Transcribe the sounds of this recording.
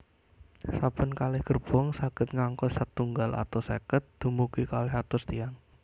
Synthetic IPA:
sapənkalɪhɡ̥ərb̥ɔŋsaɡ̥ət̪̚ŋaŋkɔsat̪ːuŋɡalʔa̰t̪ɔsḛkət̪̚d̪̥umuɡikalɛɦat̪ʊst̪iaŋ

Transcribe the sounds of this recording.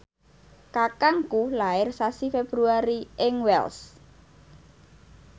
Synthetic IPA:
kakaŋkulaɪrsasifeb̥ɾuaɾiʔɪŋwɛ̰ls

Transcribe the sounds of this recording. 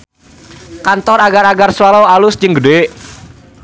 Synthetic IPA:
kant̪ɔraɡaɾaɡarswalɔwalʊsd͡ʒəŋɡəɖe

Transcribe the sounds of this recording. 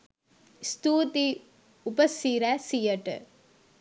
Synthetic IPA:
st̪uːt̪i | ʊbɐsiːɾɐsijɐʈːɨ̰

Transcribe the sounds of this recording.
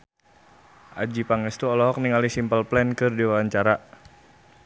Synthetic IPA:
ʔa̰d͡ʒipaŋɛst̪uɔlɔɦɔk̚niŋalihsimpəlplɛnkɨrdiwaaɲt͡ʃaɾa

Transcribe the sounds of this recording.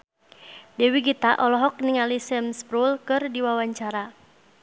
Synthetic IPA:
dɛwiɡit̪aʔɔlɔɦɔk̚niŋalisɛmspɾulkɨrdiwawaɲt͡ʃaɾa

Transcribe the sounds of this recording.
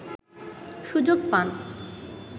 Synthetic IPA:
ʃud͡ʑoɡ̚pan

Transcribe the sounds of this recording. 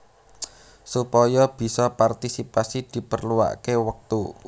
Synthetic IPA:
supɔjɔb̥i̤sɔpart̪isipasid̪̥i̤pərluwa̰ʔkewək̚t̪u

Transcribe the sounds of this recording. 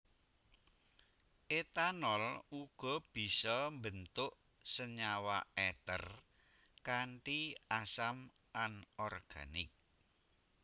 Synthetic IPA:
ʔet̪anɔluɡ̥ɔ̤b̥i̤sɔmbənt̪ʊʔ | səɲawaɛt̪ə̰r | kaɳʈiasam | ʔanɔrɡ̥a̰nɪ̰k̚

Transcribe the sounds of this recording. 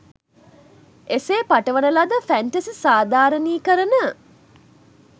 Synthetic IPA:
eseːpaʈəʋənəlad̪əfæɳʈɐsisaːd̪ʱaːɾəniːkəɾənə

